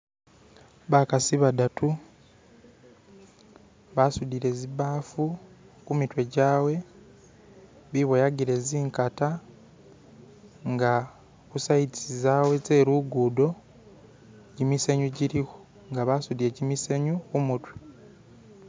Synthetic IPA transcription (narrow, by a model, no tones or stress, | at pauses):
βakasiβadatʰu | βasudiɾe̞zibaːfu | kumitwe̞ɟaːwe̞ | βiβojaɡiɾe̞ziːŋkata | ŋɡa | kusaitizaːwe̞t͡se̞ːɾuɡuːdo̞ | ɟimiseɲuɟiɾiho | ŋɡaβasudieɟimiseɲukumutwi̥